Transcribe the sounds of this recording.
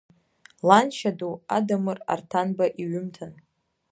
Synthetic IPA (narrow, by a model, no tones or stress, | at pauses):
lanʃadua̰damɨra̰rtʰanbaʔiɥʏmtʰan